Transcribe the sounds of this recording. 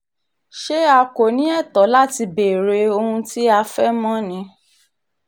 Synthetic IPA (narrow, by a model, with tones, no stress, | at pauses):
ʃe˦a˧ko˨nĩ˦ɛ˦˨tɔ˨˦la˦ti˧be˨ɾe˨˧o˧hũ˧ti˦a˧fɛ˦mɔ̃˦nĩ˧˦